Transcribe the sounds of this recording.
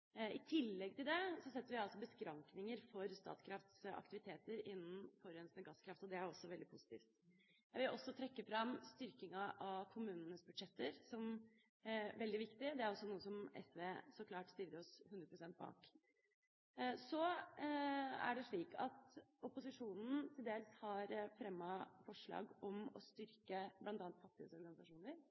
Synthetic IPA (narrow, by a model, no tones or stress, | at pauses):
ɪt̪ʰɪlːɛɡ̚t̪ʰɪld̪ɛsɔsɛt̪ːəɾʋɪɑlsɔbəskɾɑŋknɪŋəɾfɔɾst̪ɑ̰ːt̪skʰɾɑft̪sɑ̰kt̪ɪʋɪt̪ʰeːt̪əɾɪnːn̩fɔɾɛnsnəɡɑskʰɾɑft̪ɔd̪ɛæɾɔsːɔʋɛld̪ɪpʰʊsɪt̪ḭːft̪ | jæɪʋɪlʔɔsːɔt̪ʰɾɛkːəfɾɑmst̪ʏɾkɪŋɑʔɑʋkʰʊmʉːnənəsbʉd̪ʂɛt̪ːəɾsɔm | ʋɛld̪ɪʋɪkt̪ɪd̪ɛæɾɔsːɔnuːəsɔmɛ̰sʋeːsɔkʰlɑːʈst̪ɪlːəɾɔshʉnɾəpɾʊsɛnt̪̚bɑ̰ːk | sɔ | æ̰ɖɛʂɭiːkʰɑ̰t̪ʊpʊsɪʂuːnn̩t̪ʰɪld̪eːləshɑɾfɾɛmːɑfɔʂɭɑ̰ːɡɔmɔ̰st̪ʏɾkəblɑnt̪ɑːnt̪fɑt̪ːɪhə̰d̪sɔɾɡɑnɪsɑʂuːnəɾ